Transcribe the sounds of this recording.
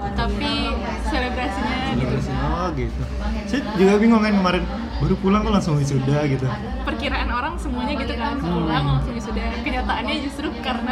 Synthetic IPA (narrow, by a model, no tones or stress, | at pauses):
t̪api | seləbɾasiɲaseləbɾasiɲaoɡit̪u | sid͡ʒuɡabiŋoŋaɪnkəmaɾɪn | baɾupulaŋt̪olaŋsuŋisudahɡit̪u | pərkiɾaʔanoɾaŋsəmuaɲaɡit̪ukaanulaŋlsuŋisudakəɲat̪aanɲad͡ʒust̪ɾʊkaɾəna